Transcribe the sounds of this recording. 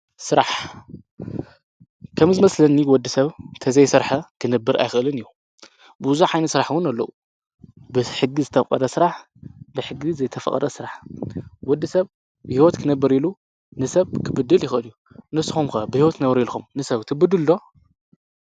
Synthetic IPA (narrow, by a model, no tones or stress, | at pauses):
sɨɾaħ | kʰɐmzɨmɐslɐnːiwɔd̪ːisɐβt̪ʰɐzɐjsɨɾħɐkʰɨnɐbːɨɾa̰jxɨʔɨlɨnɨjːu | bɨzuħajnɐt̪sɨɾaħwɨnɐlːɐʔu | bɨħɨɡːizɨt̪ʰɐfqʼɐ̰ɾɐsɨɾaħ | bɨħɨɡizɐjt̪ʰɐfɐ̰kʼɐ̰ɾɐsɨɾaħwɔd̪ːɨsɐβ | bhiwɔt̪kʰɨnɐbːɨɾilu | nɨsɐβkʰɨbɨd̪ːɨljɪxʔɨlju | nɨsɨxumkɐbɨhiwɔt̪nɐβɾilxumnɨsɐβt̪ʰɨbɨd̪ɨld̪o̞